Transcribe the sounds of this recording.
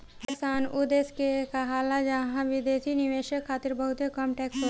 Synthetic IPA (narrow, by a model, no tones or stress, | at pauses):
ɪsaːnʊd̪eːskekaɦaːlad͡ʒɐɦãʋɪd̪eːsinɪʋeːʃəkʰːaːt̪ɪɾbɐɦʊt̪ekəmʈɛːkso